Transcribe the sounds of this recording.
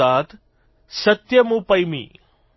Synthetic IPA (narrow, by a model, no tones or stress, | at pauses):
aːt̪ | sɐt̪jɐmupɐjmḭː